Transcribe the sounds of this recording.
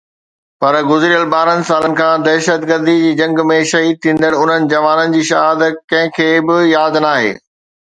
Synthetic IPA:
pɐɾɡʊzɾiəlɓaːɾənɪ̆saːlənɪ̆kʰãːd̪ɛːʃət̪ɡəɾd̪id͡ʑiːd͡ʑɐ̃ŋɡmẽʃɐɦiːd̪̚t̪ʰĩːn̆d̪əɽʊn̤ənɪ̆d͡ʑɐʋaːnənɪ̆d͡ʑiːʃaːɦəd̪kɐ̃ɦɪ̃kʰeːbɪjaːd̪naːɦḛː

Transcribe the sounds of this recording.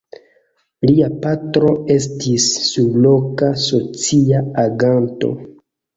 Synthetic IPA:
liapatɾo̞e̞s̬tisːublo̞kaso̞t͡siaaɡanto̞̰

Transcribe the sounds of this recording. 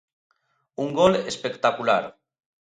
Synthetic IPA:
uŋɡɔlespekt̪akula̰ɾ

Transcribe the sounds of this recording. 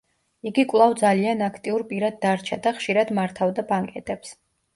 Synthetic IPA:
iɡikʼwlˠavd̪zalianakʰt̪ʼiuɾpʼiɾad̪ːaɾt͡ʃʰad̪aχʃiɾad̪maɾt̪ʰavd̪abaŋkʼɛt̪ʼɛps

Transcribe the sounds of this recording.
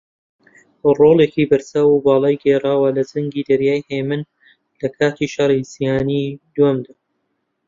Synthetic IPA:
roːlˠekiːbɨɾsaːwubɑːlˠɑːjɡeraːwɐlɐd͡ʒɐŋɡiːd̪ɐɾjaːjhemɨn | lɐkʰaːt̪ʰiʃɑrˤizijaːnid̪wamd̪a

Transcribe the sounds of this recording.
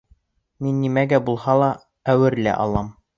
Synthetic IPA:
minːimæɡæbulˠhɑlˠɑ | æwɘɾlæ̰ʔɑ̰lˠɑm

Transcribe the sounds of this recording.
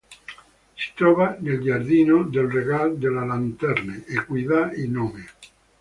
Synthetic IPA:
se̥t̪ɾoβaneld͡ʒaɾðinod̪elreɣald̪elalant̪eɾneʔekwiðainome

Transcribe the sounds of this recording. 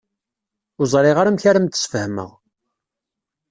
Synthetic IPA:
ʊzˤɾˤɪʁaɾamçaɾamt̪ə̥sfəhmə̰ʁ

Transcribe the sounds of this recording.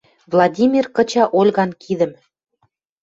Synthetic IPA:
vlˠɑdʲimʲirkɤ̆t͡ɕɑʔolʲɣɑnkid̪ə̆m

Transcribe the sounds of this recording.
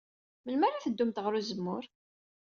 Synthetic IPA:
məlmæɾaθəd̪ːumt̪ʁəɾuzəmːʊɾ

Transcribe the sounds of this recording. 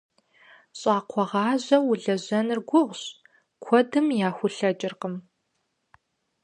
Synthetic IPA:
ɕʼaːqʷʰɔʁɑːʑɐwʊɮɐʑɐnɨrɡʷʊʁʷɕ | kʷʰɔdɨmjaːxʷʊɬɐd͡ʒʼɪrqəm

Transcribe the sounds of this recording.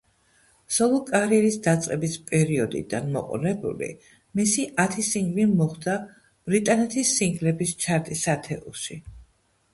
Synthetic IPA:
sɔlˠɔkʼaɾiɛɾisd̪at̪sʼqʼɛbispʼɛɾiɔd̪ḭd̪a̰nmɔ̰qʼɔ̰nɛbṵlḭ | misiʔat̪ʰisiŋɡlimɔχd̪a | b̥ɾit̪ʼanɛt̪ʰisːiŋɡlɛbist͡ʃʰaɾt̪ʼisat̪ʰɛṵʃi

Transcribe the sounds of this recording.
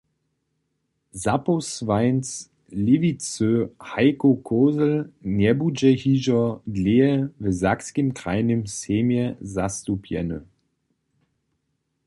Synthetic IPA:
zaposvaɪns | lɪvit͡søhaɪkokʰoːzlnɛbud͡ʒɛhiːʒɐdleːəvəzakskəmkʁ̥aɪnəmseːmjəzastupʰjɛ̰nə̰

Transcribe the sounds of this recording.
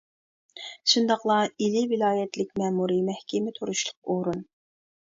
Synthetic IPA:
ʃund̪ɑqlˠɑilɪvɪlˠɑːjɛt̪lɪk̚ʲmɛmuɾimɛhkʲʰɪmɪt̪ʰoɾuʃlˠʊq̚oɾun

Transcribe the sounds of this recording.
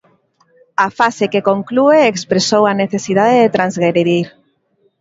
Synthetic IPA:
afasekekoŋklueːkspɾesowaneθesið̞aðeðet̪ɾanzɣeɾiðiɾ

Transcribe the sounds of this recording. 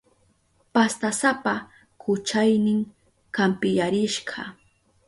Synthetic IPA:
past̪asapa | kʊt͡ʃajnɪŋ | kampɪjaɾɪʃɢɑ

